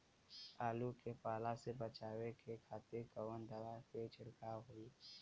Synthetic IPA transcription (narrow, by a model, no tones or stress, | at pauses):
aːlukepaːlasebət͡ʃaːwekekʰaːt̪ekəwənd̪əʋaket͡ʃɪɽkaɦoi